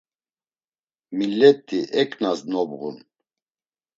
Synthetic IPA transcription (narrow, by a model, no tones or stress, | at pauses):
milɛt̪ʰːiʔɛkʰʼnasnɔbɣṵn